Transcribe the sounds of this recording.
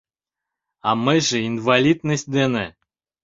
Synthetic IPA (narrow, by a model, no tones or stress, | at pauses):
amɨjʐeinvalʲid̪nəsʲt̪̚ʲd̪ene